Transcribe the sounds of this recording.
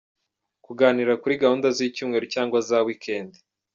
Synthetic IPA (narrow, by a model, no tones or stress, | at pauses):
kuɡaːniɾakuɾiɡahuːndazicuːmŋe̞ɾocaːŋɡwazawikʰeːnde̥